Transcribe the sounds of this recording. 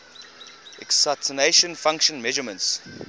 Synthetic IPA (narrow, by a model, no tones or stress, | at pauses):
ɛksatʰəneʃə̃nfãŋkʃə̃nmɛʒəmə̃nts